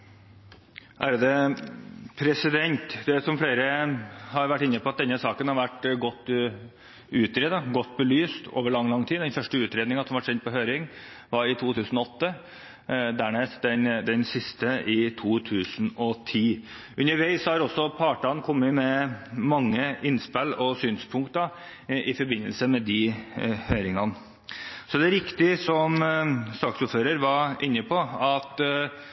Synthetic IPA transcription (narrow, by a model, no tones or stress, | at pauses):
ʔæːɾd̪ɛ | pʰɾɛsɪd̪ɛnt̪d̪ɛæsɔmfleːɾəhɑɾʋæʈːɪnːəpʰɔɑt̪̚d̪ɛnːəsɑːkənhɑɾʋæʈːɡɔt̪ː | ʉːt̪ɾeːd̪ɑɡɔt̪ːbəlyːst̪ʰo̰ːʋəɭɑŋːlɑŋt̪ʰiːd̪ɛnfœʂʈəʉːt̪ɾeːd̪nɪŋɑsɔmʋɑʈʂɛnt̪̚pɔɦøːɾɪŋ | ʋɑɾɪt̪ʰuːt̪ʰʉːsən̩ɔɔt̪ːə | d̪æːɳeːsd̪ɛnd̪ɛnsɪst̪əʔɪt̪ʰuːt̪ʰʉːsnɔt̪ʰiː | ʔʉnːəɾʋæɪshɑɾɔsːɔpʰɑːʈɑnkʰɔmːəmɛmɑŋːəʔɪnspælɔsyːnspʰʊŋk̚t̪d̪ɑ | ʔɪfɔɾbɪnːəlsəmɛd̪ɪhøːɾɪŋɑn | sɔd̪ɛæɾɪkt̪ɪsɔmst̪ɑːksuːɾføːɾəɾʋɑʔɪnːəpʰɔɑt̪